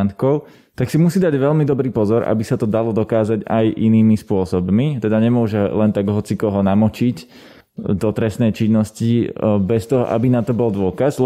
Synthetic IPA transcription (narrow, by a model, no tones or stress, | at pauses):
nt̪kɔʊ | t̪aksimusiːd̪aɟʋɛʎmid̪ɔbɾiːpɔzɔɾʔa̰bisat̪ɔd̪alɔd̪ɔkaːzaɟa̰jʔḭniːmispʊɔsɔbmit̪ɛd̪aɲɛmʊɔʒɛlɛnt̪aɡɦɔt͡sikɔɦɔnamɔt͡ʃic | d̪ɔt̪ɾɛsnɛjt͡ʃinːɔscibɛst̪ɔɦɔ̰ʔa̰binat̪ɔbɔlˠd̪ʊɔkazl